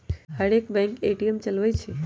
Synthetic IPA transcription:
ɦaɽekbɛ̃ŋkeʈiemt͡ʃəlʋajt͡ʃʰe

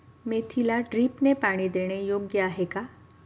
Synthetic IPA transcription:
meːt̪ʰilaɖɾiːpnepaːɽ̃id̪eːɽ̃ejoːɡjaɦɛkaː

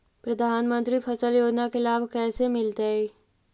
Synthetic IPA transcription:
pɾɐd̪ʱaːnmə̃nt̪ɾipʰɐsəljoːd͡ʒnakelaːbʱkɛːsemɪlt̪ee

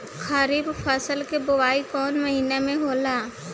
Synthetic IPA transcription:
xaɾiːbfʰəsəlkebʊwaːikɔːnməɦiːnemẽɦoːlaː

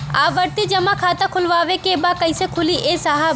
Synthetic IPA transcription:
a̰ːʋəɾt̪id͡ʒɐmãkʰaːt̪akʰʊlʋaːʋekebakɐɪsekʰʊliʔeːsaɦa

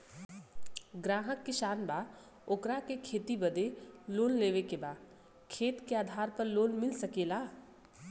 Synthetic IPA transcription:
ɡɾaːɦəkːeʃaːnbaː | oːkɾakekʰeːt̪ibɐd̪eloːnleːʋekebaːd | kʰeːt̪keaːd̪ʱaːɾpəɾloːnmɪlsɐkeːlaː

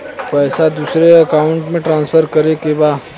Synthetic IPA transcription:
pɛːsad̪uːsɾeɐkaːʊ̃ɳʈmẽʈɾãːnspʰəɾkəɾekebaː

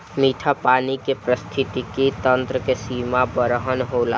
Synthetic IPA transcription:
miːʈʰapaːnikepɾəst̪ʰɪt̪ikit̪ə̃nt̪ɾəkesiːmabəɾəɦənɦoːla̰ː

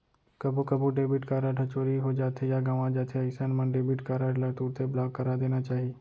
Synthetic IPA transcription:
kɐbʱukɐbuɖeːbɪʈkaːɾaʈʰɐt͡ʃoːɾiɦod͡ʒaːt̪ʰejaɡaːʋãd͡ʒaːt̪ʰeəksənmə̃ɖeːbɪʈkaːɾaɖlaʈ̪uːɾt̪ʰeblaːɡkɐɾad̪eːnat͡ʃaːɦieː

